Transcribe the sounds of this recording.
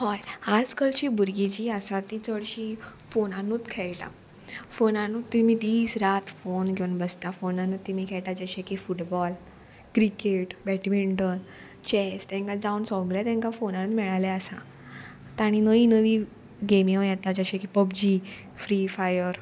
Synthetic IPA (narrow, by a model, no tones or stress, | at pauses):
ɦɔjad͡zkəɭt͡ɕiːbuɾɡid͡ʑiːasat̪it͡səɭɕiːfonanuːt̪kʰɛjʈa̰ | fonanut̪ːimid̪iːsɾat̪fonɡʱeunbəst̪afonanut̪ːimiːkʰɛjʈad͡ʑəɕẽkifuʈbɔl | kɾikeʈbɛʈimiɳʈən | t͡ɕɛst̪ɛ̃ŋkad͡zaunsɔɡlet̪ɛ̃ŋkafonanuːt̪mɛɭalɛəsa̰ | t̪aɽ̃inəinəʋiː | ɡemĩjɛt̪ad͡ʑəɕekipəbd͡ʑiː | fɾifajəɾ